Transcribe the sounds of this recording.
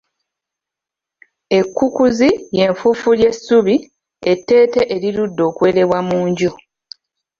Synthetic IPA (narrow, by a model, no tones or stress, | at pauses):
e̞kːukuzije̞ɱfufulje̞suβi | e̞tːe̞ːte̞ʔeɾiludːo̞ːkwe̞ːɾe̞βwamuːɲɟu